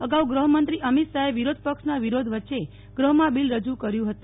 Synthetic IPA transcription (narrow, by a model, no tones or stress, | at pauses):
əɡauɡɾəɦəmənt̪ɾiʔəmit̪saɦeʋiɾod̪̚ʱpəkʂnaʋiɾod̪ʱʋətːʃe | ɡ̥ɾəɦəmãbilɾəd͡ʒukəɾjũɦət̪u